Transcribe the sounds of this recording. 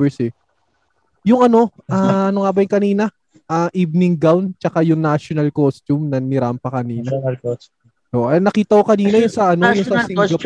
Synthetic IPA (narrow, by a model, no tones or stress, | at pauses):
ɛsɪ | jʊŋɐno̞aʔɐnoŋabɐjʊŋkɐniːnɐ | ʔaʔibnɪŋɡawnt͡ʃɐkajʊŋnaʃonɐlkost̪umnɐnɪɾampɐkɐniːnɐ | ʔoʔʔɛnɐkiːt̪ɐkokɐniːnɐjʊnsɐʔɐnojʊnsɐsɡɡɐp